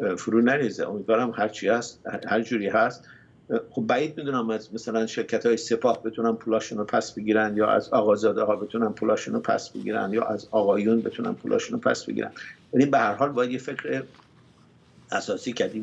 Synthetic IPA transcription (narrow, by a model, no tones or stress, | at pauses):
fuɾuːnæɾiːzḛʔomiːd̪vɒːɾæmhæɾt͡ʃʰihæst̪hæɾd͡ʒuːɾiːɦæst̪ | xobːæiːd̪̚mid̪uːnæmæzmæsælænʃe̞ɾcʰæt̪ʰhɒːjese̞pʰɒːhbe̞t̪ʰunænpʰuːlɒːʃuːnopʰæsb̥eɟiːɾænd̪jɒːʔæ̰zɒːɣɒːzɒːd̪ehɒːbe̞t̪ʰunænpʰuːlɒːʃuːnopʰæ̰sb̥ḛɡḭːɾæ̰nd̪jɒ̰ːʔæzɒːɣɒːjunbe̞̰t̪ʰunæ̰npʰuːlʔɒ̰ːʃuːnopʰæ̰sbḛɡḭɾæ̰nd̪̥vælibehæɾhɒːlbɒːjæd̪jefecʰɾe | æsɒːsiːcʰæɾd̪iː